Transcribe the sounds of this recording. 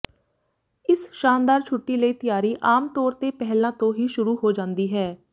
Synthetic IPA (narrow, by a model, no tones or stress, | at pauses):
ɪsʃaːnd̪aːɾt͡ʃʰʊʈːiːləiːt̪ɪjaːɾiːʔaːmt̪ɔːɾt̪eːpɛɦlãːt̪õːɦiːʃʊɾuːɦoːd͡ʒãːnd̪iːɦɛː